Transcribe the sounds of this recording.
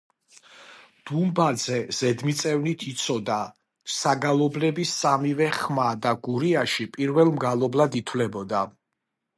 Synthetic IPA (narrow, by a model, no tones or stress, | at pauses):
d̪̥umbad̪zɛz̥ɛd̪mit̪sʼɛvnit̪ʰit̪sʰɔd̪a | saɡalˠɔblɛbisamivɛχmad̪aɡuɾiaʃipʼiɾvɛlˠmɡalˠɔblad̪it̪ʰwlɛbɔd̪a